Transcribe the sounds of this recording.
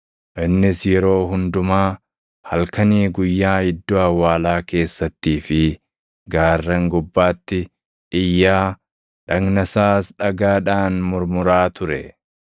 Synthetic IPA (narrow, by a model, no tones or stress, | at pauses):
ʔɪnːɪsjɛɾo̞ːɦʊnd̪ʊmaː | hɐlkɐniːɡʊjːaːhɪd̪ːɔɐwːaːlaːke̞ːsːɐt̪ːiːfɪ | ɡaːrːɐŋɡʊbːaːt̪ːɪ | ʔɪjːaː | ᶑɐɡnɐsaːsᶑɐɡaːᶑaːnmʊɾmʊɾaːt̪ʊɾɛ